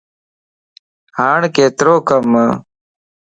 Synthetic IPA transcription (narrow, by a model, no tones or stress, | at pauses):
haːɳkeːt̪ɾoːkɐmə